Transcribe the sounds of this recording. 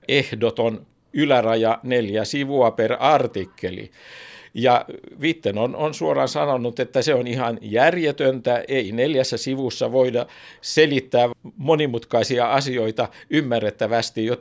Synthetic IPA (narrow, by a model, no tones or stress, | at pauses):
ehdot̪on | ylærɑjɑneljæsiʋuɑperɑrt̪ikːelḭjɑʋit̪ːenononsuorɑnsɑnonːut̪et̪ːæseonihɑnjærjet̪ønt̪æʔeineljæsːæsiʋusːɑʋoidɑselit̪ːæːmonimut̪kɑisiɑɑsioit̪ɑymːærːet̪ːæʋæst̪ijot̪